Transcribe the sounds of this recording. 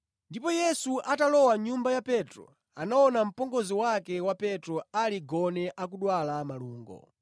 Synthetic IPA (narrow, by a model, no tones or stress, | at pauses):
ndipɔjɛsuʔatalɔwaɲumbajapɛtɾɔ̰ | anaɔnam̩pɔŋɡɔziwakɛwapɛtɾɔaliɡɔnɛʔak̬uɗwalamaluːŋɡɔ̰